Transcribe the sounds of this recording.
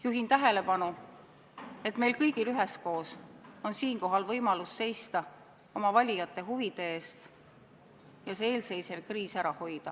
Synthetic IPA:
juɦint̪æɦe̞le̞pɑnu | e̞t̪me̞jlkɤjɡ̥ilyɦesko̞ːso̞nsiːŋko̞ɦɑlvɤjmɑlusse̞jst̪ɑ | o̞mɑvɑlʲijɑt̪ːˑe̞ɦuvid̪̥e̞eːst̪ | jɑsee̞ːlse̞jse̞vkriːsæɾɑho̞jd̪̥ɑ

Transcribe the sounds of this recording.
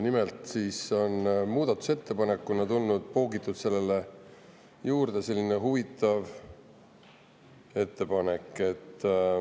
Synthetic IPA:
nimelt̪siːso̞nmuːd̪̥ɑt̪ːˑu̥se̞t̪ːe̞pɑne̞kːˑunɑt̪ulnud̪̥̚poːɡit̪ːˑud̪̥se̞lːe̞le | juːrd̪̥e̞se̞lːineɦuvit̪ːˑɑv | e̞t̪ːe̞pɑne̞kːˑe̞t̪ː

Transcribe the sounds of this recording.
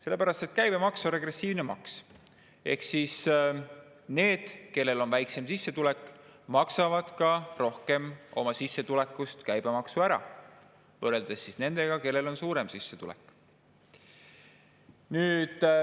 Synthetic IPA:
se̞lːe̞pæɾɑst̪et̪ːkæjb̥e̞mɑksore̞ɡre̞sːiːvnemɑks | e̞̰hksis | ne̞ːd̪̥ke̞lːe̞lo̞nvæjkse̞msisːe̞t̪ulekːˑmɑksɑvɑd̪̥kɑro̞hke̞mo̞̰mɑsisːe̞t̪ule̞kːˑust̪kæjbe̞mɑksuæɾɑ̰ | vɤːreld̪̥e̞sːisne̞nd̪̥eɡ̥ɑke̞lːe̞lo̞nsuːɾe̞msisːet̪ṵlḛkːˑ | nyːd̪̥

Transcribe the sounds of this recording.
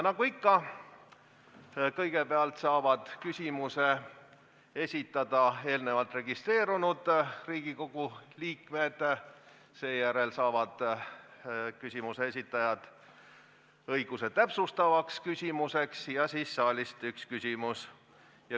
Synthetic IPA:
nɑɡ̥uikːɑ | kɤjɡ̥e̞peɑlt̪sɑːvɑd̪̥kysʲimuse | e̞sʲit̪ːˑɑd̪̥ɑe̞ːlne̞vɑlt̪re̞ɡ̥ist̪re̞ːɾunud̪̥riːɡ̥iko̞ɡ̥uliːkme̞d̪̥ | se̞ːjæɾe̞lsɑːvɑd̪̥ | kysʲimusee̞s̬ʲit̪ːˑɑjɑd̪̥ | ɤjɡ̥use̞t̪æpsust̪ɑvɑkskysʲimuse̞ksjɑsiːsːɑːlʲist̪ykskysʲimus | jɑ

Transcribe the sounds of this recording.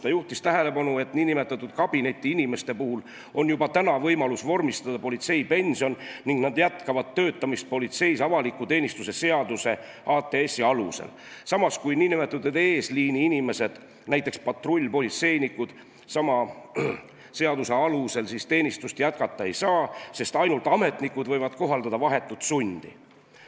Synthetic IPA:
t̪ɑjuht̪ist̪æɦe̞le̞pɑnue̞t̪niːnime̞t̪ːˑɑt̪ːˑud̪̥kɑb̥ine̞t̪ʲːˑiinime̞st̪e̞puhul | o̞njubɑt̪ænɑvɤjmɑlusvo̞rmist̪ɑd̪̥ɑpo̞lʲit̪se̞jpe̞nʲsio̞nniŋɡ̥nɑd̪jæt̪kɑvɑd̪t̪ːø̞ːt̪ːˑɑmist̪̚po̞lit̪se̞jsɑvɑlikːˑut̪e̞ːnʲist̪use̞se̞ɑd̪use̞ | ʔɑːt̪ːˑe̞esiɑlusḛlsɑmɑskujniːnimet̪ːˑud̪et̪e̞ːsliːniinʲime̞se̞d̪̥ | næjt̪ːˑe̞kspɑt̪ro̞lʲːpo̞lit̪se̞jnikːud̪̥ | sɑmɑ | se̞ɑd̪use̞ɑluse̞lsist̪e̞ːnʲist̪ust̪jæt̪̚kɑt̪ːˑɑe̞jsɑːse̞st̪ɑjnult̪ɑme̞t̪nikud̪vɤjvɑd̪̥ko̞ɦɑld̪̥ɑd̪ɑvɑɦe̞t̪ːˑut̪sunʲd̪̥ḭ

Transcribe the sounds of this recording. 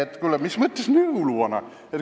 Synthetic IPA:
et̪ːkylːæmismət̪ːesnyuluonɑ̰ | et̪

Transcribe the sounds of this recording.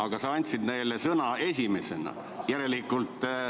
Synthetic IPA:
ɑɡ̥ɑsɑɑnʲt̪sid̪ne̞jlesɤnɑe̞sʲime̞se̞nɑ̰ | jæɾe̞likːˑult̪ˑː

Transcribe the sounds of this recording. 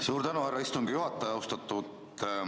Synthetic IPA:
suːɾt̪ænuhærːɑist̪uŋɡ̥ijuɦɑt̪ːˑɑjɑwst̪ɑt̪ːˑut̪

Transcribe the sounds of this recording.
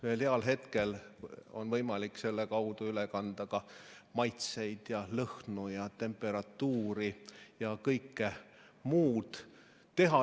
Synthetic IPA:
veːlheɑlɦe̞t̪ke̞l | o̞nvɤjmɑlikːse̞lːekɑwd̪uylekɑnd̪̥ɑɡ̥ɑ | mɑjt̪se̞jd̪̥jɑlɤhnujɑt̪e̞mpːˑe̞ɾɑt̪ːuːɾijɑkɤjkːe | muːd̪̥ː | e̞ɦɑ

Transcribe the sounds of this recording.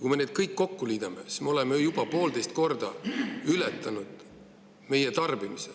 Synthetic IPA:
kujme̞ned̪̥̚kɤjkːo̞kːuliːd̪̥ɑme̞si̥smeo̞lemejub̥ɑpo̞ːld̪e̞jst̪̚ko̞rd̪̥ɑylɛt̪ːˑɑnud̪̥ | me̞jet̪ɑrb̥imise

